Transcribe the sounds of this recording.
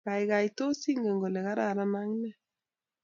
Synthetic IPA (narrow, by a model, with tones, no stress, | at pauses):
ka˨i˨ɣa˨i˨to˦si˦ŋɡe˨ŋɡo˨le˨ɣa˦ɾa˦˨ɾa˦na˦ŋnɛ˦˨